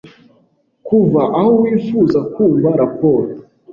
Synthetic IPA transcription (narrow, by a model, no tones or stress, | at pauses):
kuvaʔahowiːfuːzakuːɱvaɾapo̞ːɾo